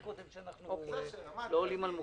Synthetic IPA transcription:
kod̪emʃeanaχnuo | loːlimalmu

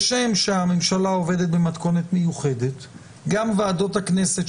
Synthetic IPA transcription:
ʃemʃeamemʃalao̞ve̞det̪̚bemat̪ko̞ne̞t̪mejuχe̞det̪ | ɡamvaːdo̞thakne̞se̞t

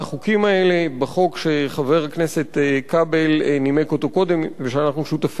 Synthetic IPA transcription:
aχukimae̞le̞baχo̞kʃeχave̞ʁhaknese̞tekabelnimeko̞t̪o̞ko̞d̪e̞mveʃeanaχnuʃut̪af

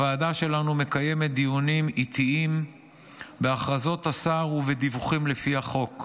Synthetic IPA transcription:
vaːdaʃe̞lanume̞kaje̞met̪̚d̪ionimit̪iim | beaχʁazo̞t̪asaʁuved̪ivuχimlefiaχo̞k

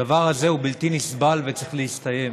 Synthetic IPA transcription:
avaʁhaze̞ubilt̪inisbalvet͡sʁeχleist̪aje̞m

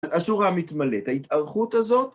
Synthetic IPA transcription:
asuʁamit̪maletaitaʁχuthazo̞t

